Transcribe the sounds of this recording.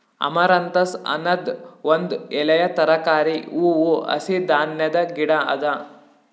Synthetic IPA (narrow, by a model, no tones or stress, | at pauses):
ɐ̰mɐɾɐnt̪ɐsɐ̰nɐd̪ʋond̪ɛlɐjɐt̪ɐɾɐkaːɾiuːuɐ̰sid̪aːnjɐd̪ɐɡiɽɐɐ̰d̪ɐ